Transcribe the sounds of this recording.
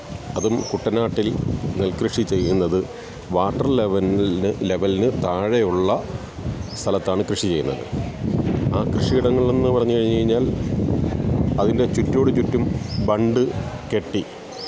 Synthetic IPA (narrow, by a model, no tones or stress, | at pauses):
ɐðumkuʈːɐnaːʈːilnelkrɨʂit͡ɕe̞jːunːɐðɨ | ʋaːʈːɐrleʋɐnnɨle̞ʋɐlnɨt̪aːɻejuɭːɐ | st̪ʰɐlɐt̪ːaːɳɨkrɨʂit͡ɕe̞jːunːɐ̰ðɨ̰ | aːkrɨʂiɣiɽɐŋːɐɭe̞nːɨpɐrɐɲːukɐɻiɲːukɐɻiɲːaːl | ɐðinde̞t͡ɕutːo̞ːɽet͡ɕutːumbɐɳɖɨke̞ʈːi